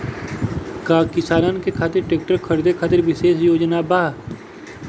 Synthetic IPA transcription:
kaːkɪsaːɾankekʰaːt̪ɪɾʈeːk̚ʈəɾkʰəɾd̪ekʰaːt̪ɪɾʋɪʃeːsjoːd͡ʒnabaː

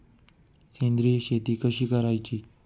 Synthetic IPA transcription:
sẽːnd̪ɾiɕet̪iːkəʃiːkəɾait͡ɕiː

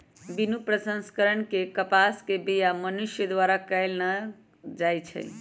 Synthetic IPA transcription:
binupɾəsə̃nskəɾəɳkekəpaskebijamənuʃjəd̪ʋaɾakəjlnə | d͡ʒajt͡ʃʰə̰

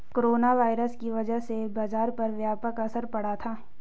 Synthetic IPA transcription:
koɾoːnaʋaːɪɾəskiʋɐd͡ʒəɦsebaːzaːɾpɐɾʋjaːpəkɐsəɾpɐɽ̤at̪ʰaː

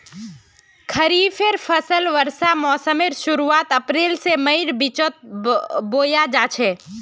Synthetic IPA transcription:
kʰəɾiːfʰeɾpʰəsəlʋəɾsamɔːsəmeɾʃʊɾuaːt̪əpɾeːlseməɪɾbɪt͡ʃot̪̚boːjad͡ʒaːt͡ʃʰe

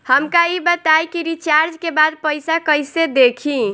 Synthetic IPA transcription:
həmkaibət̪ajkiɾit͡ʃaɾd͡ʒkebad̪̚pəjsakəjsed̪ekʰi

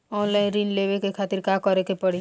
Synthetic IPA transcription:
ɔnlaɪnɾinlebekekʰat̪iɾkakɔɾekepəɽi

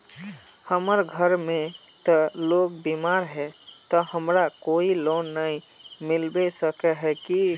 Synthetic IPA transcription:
həməɾɡʱəɾmẽt̪ɔloːɡbimaːɾɦɛt̪ɔhəmɾakoːiloːnːəĩmɪlbesəkəɦɛki

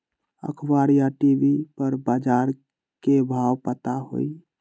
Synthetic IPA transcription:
ə̰kʰbaɾjaʈibipəɾbaːd͡ʒaɾ | kebʱaːwpət̪aɦo̰i

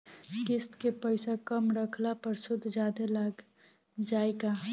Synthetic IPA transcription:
kɪst̪kepəɪsakəmɾəkʰlapəɾsʊd̪ʱd͡ʒaːd̪elaːɡ | d͡ʒaːeɡa

